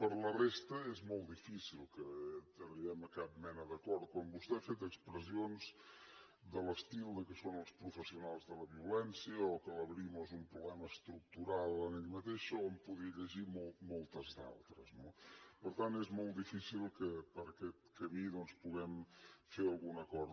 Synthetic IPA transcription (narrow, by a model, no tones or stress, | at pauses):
pəɾlərest̪əezmɔlˠt̪d̪ifisilˠkət̪əɾiɛməkap̚mɛnəðəkɔɾt̪̚kwambust̪ɛafet̪əkspɾəzionz | d̪ələst̪ilˠd̪əkəsonəlˠspɾufəsiunalˠzðələβiulɛnsiəɔkələβɾimozumpɾuβlɛməəst̪ɾuk̚t̪uɾalˠəneʎmət̪eʃoəmpuðiʎəʒimɔlˠmɔlˠt̪əzða̰lˠt̪ɾəznopəɾt̪ant̪ezmɔlˠt̪d̪ifisilˠkəpəɾəkɛt̪̚kəmiðɔnspuɣɛmfeɾəlˠɣunəkɔɾ